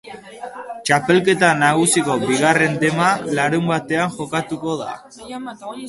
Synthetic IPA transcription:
t͡ʃape̞lke̞t̪anaɣ̞usiko̞biɣare̞nd̪e̞malaɾumbat̪e̞aŋxo̞kat̪uko̞ða̰

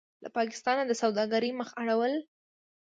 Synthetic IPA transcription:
la̰pɑkɪ̥st̪ɑnad̪əsawd̪ɑɡaɾəjməxaɽawəl

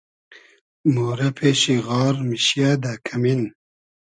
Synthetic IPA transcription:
moːɾɐpʰeːɕiɣɑːɾmiɕjad̪akʰɐmin

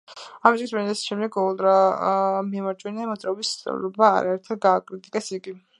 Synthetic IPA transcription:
amit̪ʼkʰismɛnd̪ɛsʃʰɛmd̪ɛkʰɔlˠd̪ɾa | miamaɾt͡ʃʼwɛniamɔt̪sʼɾaɔbist̪sʼɛ̰vɾɔba̰ːɾaɛɾt̪ʰχɛɡaːkʼɾit̪ʼikʼɛsiɡi

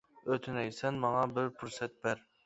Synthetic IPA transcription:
øt̪ʰynɛjsɛnmɑŋɑbɪɾpʰuɾsɛt̪̚bæɾ

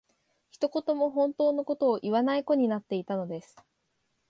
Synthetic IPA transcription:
çi̥t̪o̞ko̞t̪o̞mo̞ɦõ̞nt̪o̞ːnoko̞t̪o̞ːʔiβanaiko̞ɲ̟inat̪ːe̞it̪ano̞d̪e̞sɨ̥

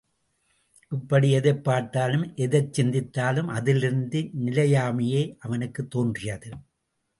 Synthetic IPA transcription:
ʔɪpːɐɽiɛðɐɪpːaːʈːaːlɯmʔɛðɐt͡ʃːɪnd̪ɪt̪ːaːlɯmʔɐðɪlɪɾɯnd̪ɯnɪlɐjaːmɪjɐɪʔɐʋɐnɯkːɯt̪ːoːndrɪjɐðɯ

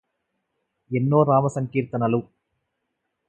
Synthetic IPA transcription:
ɛnːoːɾaːmɐsɐŋkiːɾt̪ɐnɐlu

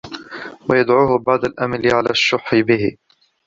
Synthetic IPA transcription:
wajad̪ʕuːhʊbaʕd̪alʔamalɪʕalaːʃːʊħːɪbɪhɪ̰

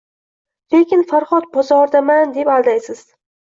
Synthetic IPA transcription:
lekʲɪnfaɾχɒt̪̚bɒzɒɾd̪amand̪epalˠd̪ajsɪz̥

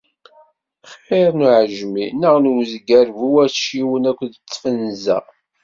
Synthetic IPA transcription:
χeɾnuʕəʒminəʁnwzɡæɾvuwæθʃiwənækʷːðət͡sːfənzæ̰

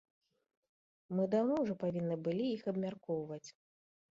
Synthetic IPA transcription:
mɨd̪awnɔwʐɔpavʲinːɨbɨlʲiixɐbmʲarkɔwvɐt͡sʲ

